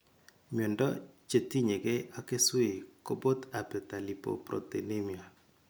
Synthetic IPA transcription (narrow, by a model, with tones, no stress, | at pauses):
mjɔ˨ndɔ˦t͡ʃe˨ti˦ɲe˨ɡe˦a˦ke˦swɪ˨ko˦bo˦t̪a˨pɛ˨ta˨li˨po̰˨pɾɔ̰˨te˨ne˦mi˨a˨